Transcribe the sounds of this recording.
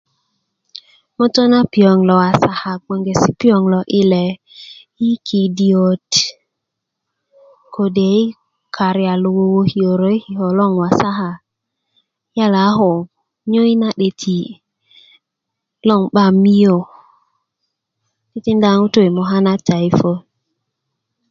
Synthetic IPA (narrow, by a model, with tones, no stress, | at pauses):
mo˦to˦na˦pi˨o˨ŋlɔ˨a˨sa˨ha˨ɡ͡bo˨ŋɡe˨si˦pi˦o˨ŋlɔ˨ʔɪ˦lɛ˨ | i˦kʰi˨di˨o˨t | kʰo˨de˨˦i˦ | kʰa˨ɾja˨lo˨wo˨wo˦hi˨o˨ɾo˨˦i˦hi˨ho˨lɔ˦˨ŋwa˨sa˦ɦa˨˦ | ja˦la˨˦ɦo˨ | ɲo˦i˦na˦ɗe˨tʰi˨ | lɔ˦˨ŋɓa˦mi˦jo˨ | ti˦ti˦nda˦ŋu˦to˦i˨mo˨ɦa˦na˦ta˨i˨fo˦